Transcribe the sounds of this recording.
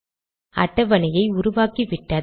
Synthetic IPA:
ɐ̰ʈːɐʋɐnɐjɐɪʊɾʊʋaːkiʋɪʈːɐ

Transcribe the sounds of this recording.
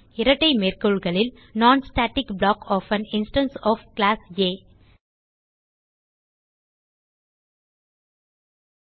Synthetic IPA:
ɪɾɐʈːɐɪmeːɾkoɭɡɐɭɪl | naːnsʈaːʈɪkbɭaːkɔːfɐ̃nɪnsʈɐ̃nsɔːfklaːseː

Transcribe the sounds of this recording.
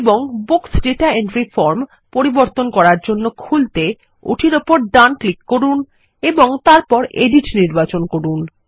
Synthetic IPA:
eboŋboksɖeʈaeɳʈɾifɔɾm | poɾiboɾt̪onkɔɾaɾd͡ʑonːokʰult̪e | ṵʈʰiɾopoɾɖanklikːoɾun | eboŋt̪aɾpɔɾḛɖiʈniɾbat͡ɕonkoɾun

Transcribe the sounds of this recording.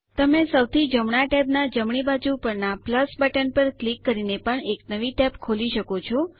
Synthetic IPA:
t̪əmesəwt̪ʰid͡ʒəmɳ̃aʈɛpnad͡ʒəmɳibad͡ʒupəɾnapləsbəʈənpəɾklikːəɾinepəɳeknəʋiʈɛpkʰoliʃəkot͡ʃʰɔ

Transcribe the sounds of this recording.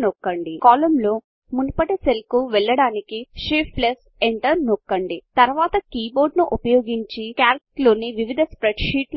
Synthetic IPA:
nokːɐɳɖikaːlɐmlo̞ː | munupɐʈeselkuʋɛɭːɐɽaːnikiʃipples | eɳʈɐɾnokːɐɳɖit̪ɐɾʋaːt̪ɐkiːbo̞ːɾɖnuʔupɐjo̞ːɡiɲt͡ʃikjaːɾklo̞ːniʋiʋid̪ʱɐspɾeɖʂiːʈl

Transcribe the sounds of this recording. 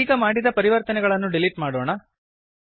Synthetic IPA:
iːkɐmaːɽid̪ɐpɐɾiʋɐɾt̪ɐnɛɡɐɭɐnːuɖiliʈmaːɽoːɳɐ

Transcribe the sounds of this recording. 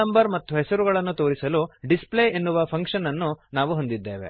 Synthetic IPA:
ɐmbɐɾmɐt̪ːuɦɛsɐɾuɣɐɭɐnːut̪o̞ːɾisɐluɖispleːenːuʋɐpʰɐŋkʂɐnɐnːunaːʋuɦond̪id̪ːe̞ːʋe̞̰

